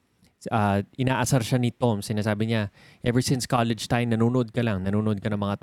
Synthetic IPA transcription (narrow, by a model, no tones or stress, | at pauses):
ɐʔɪnaːʔɐsaɾʃanɪt̪o̞msɪnaːsaːbɪɲa | ʔɛvɛɹsɪnskalɛd͡ʒt̪ajmnɐnuːnoʔo̞d̪̚kɐlɐŋnɐnuːnoʔo̞d̪̚kɐnɐŋmɐŋat̪